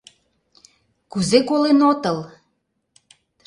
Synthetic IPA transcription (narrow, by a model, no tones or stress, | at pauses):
kuzekolenot̪əl